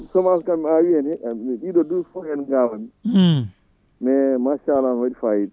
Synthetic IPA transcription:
sɔmaskamiawiɛnɛmɛɗiɗɔdufuɛnɡawami | mɛmaʃalawaɗifajiɗ

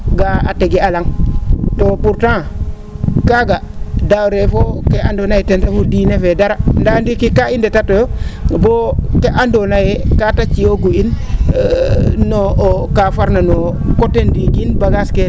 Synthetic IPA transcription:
ɡaa̰teɡialaŋtopuɾtã | kaɡadawɾefokeandonajetentafudiːnefedaɾandandikikaindetatojobokeʔandonajekatat͡ʃioɡuin | nːokafaɾnano | kotendiɡinbaɡaske

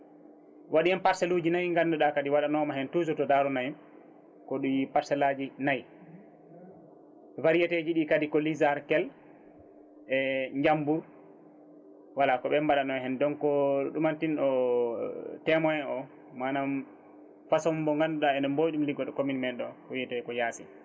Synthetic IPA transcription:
waɗiɛnpaɾsɛlud͡ʒinajŋɡanːduɗakadiwaɗanɔmaɦɛntuzutɔdaɾɔnaj | kɔɗujipaɾsɛlad͡ʒinaj | ɛvaɾijɛted͡ʒiɗiːkadikɔlizaɾkɛl | ʔɛɲd͡ʒambuɾ | walakɔɓɛmbaɗanɔhɛndɔnkɔɗumantinɗɔ | tɛmɔjɛnɔ | manam | fasɔmbɔŋɡanduɗaɛdɛmbojɗumliɡɔɗɔkominmɛɗːɔkɔwiɛtɛkɔjaːsi

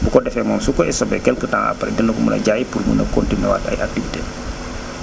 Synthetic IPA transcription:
bukɔdɛfɛmɔːmsukɔɛsɔbɛkɛlkətaŋʔa̰pːɾɛ̰dənəkumṵnɐ̰ɟaːjipurmṵnɐ̰kɔntinuwa̰ːtɐ̰jʔak̚tifitɛː

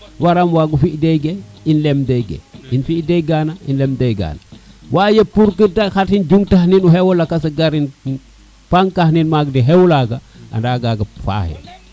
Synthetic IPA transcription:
waɾamwaːɡufiʔdeɡeinlemdeɡḛinfideɡaːnainlemdejɡa̰ːnawajepuɾkitaxatind͡ʒuŋtahninuɦewolakas̬aɡaɾin | paŋkahninmaɡdiɦewlaɡa | a̰ndaːɡaɡafa̰hḛ

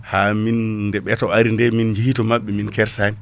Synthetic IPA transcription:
haminndɛɓɛtɔaɾindɛmind͡ʒihitɔmaɓːɛminkɛɾsan

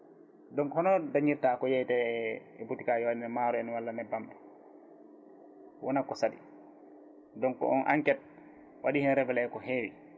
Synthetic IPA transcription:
dɔŋkhɔnɔdaɲiɾtaːkɔjajtɛɛ̰butikaːjɔwadinɛmaːɾɔɛnwalːanɛbambɛ | wʔɔnakɔsadi | dɔŋkɔ̰ʔɔnʔa̰ŋkɛt̚ | wʔaɗihɛnɾɛvɛlɛɛkɔɦewi

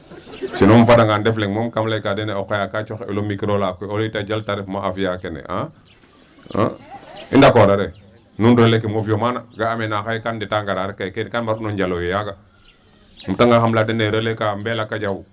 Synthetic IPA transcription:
t͡ʃinomfadaŋɡandefleŋmomkamlakadeneokajakat͡ʃoxḛlomikɾolakoolitad͡ʒaltaɾefmaafijakenḛʔa̰ | a̰ḭndakodaɾe | nunɾəlek̬imofjomanaɡaːmenaxajkanditaŋɡaɾaɾekːajkenkanmbaɾunoɲd͡ʒalojejaɡa | m̩taŋɡaxamladeneɾəlekambelakːad͡ʒawu

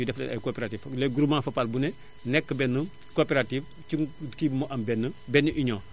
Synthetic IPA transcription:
udɛflɛ̰nɐ̰jkoːpɛɾatiːflɛɡuɾumãfɐpalbunɛ | nɛkːəbɛnːə | kopeɾatif | cikimoʔɐmbɛnːəbɛnːuʔiɲɔː

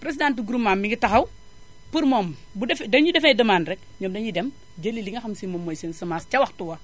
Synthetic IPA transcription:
pɾes̬idantuɡuɾumːaːmːiŋɡitɐxɐw | puɾmɔːm | budɛfdɐɲudɛfɛdɐmaːnrɛk̚ɲɔːmdɐɲidɛm | ɟɐlːiliŋɡɐxɐmsimɔmːɔːjsensɐmaːscɐwɐxtuwɐ

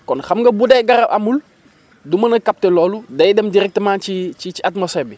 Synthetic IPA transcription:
kɔnxamɡɐbudɛɡaɾaʔa̰mul | dumɐnɐkap̚tɛlɔːludajdɛmdiɾɛk̚tmaːnt͡ʃit͡ʃit͡ʃiatmosɛbi

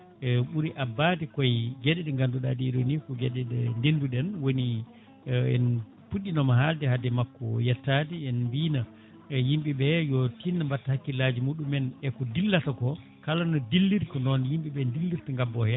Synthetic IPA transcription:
ɛɓuɾiʔabːatikɔjɡɛɗɛɗɛŋɡanduɗa̰diɗonikɔɡɛɗɛɗɛndenduɗɛnwoni | ɛ̰n | puɗːinɔmaɦaldɛhadɛmakːɔjatːatiɛnmbiːna | jimɓiɓɛjɔtinːambatːahakːilad͡ʒimuɗumɛnɛkɔdilːatakɔ | kalanːɔdilːiɾkɔnɔnjimɓiɓɛndilːiɾtaŋɡabːɔhɛ

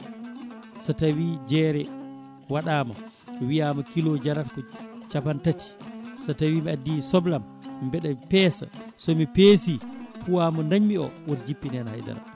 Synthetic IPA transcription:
sɔtawiːd͡ʒɛɾɛ | waɗaːma̰ | wijamɔkilɔd͡ʒaɾatkɔt͡ʃapantati̥sɔtawiːmiadːisɔblam | bɛɗamipɛːsa̰sɔmipeːsikuwamɔnaɲmiɔ̰wɔɾd͡ʒipːinɛnha̰jda̰ɾa̰

